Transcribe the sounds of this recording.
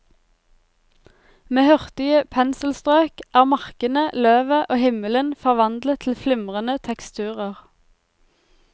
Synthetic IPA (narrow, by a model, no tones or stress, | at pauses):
meːhœʁt̪ɪəpʰɛnsl̩st̪ʁøːkʔæːʁmɑʁkənəløːʋəʔoːhɪmələnfɔʁʋɑnd̪lət̪ʰl̩flʏmʁənət̪ʰɛkst̪ʰʉːʁəʁ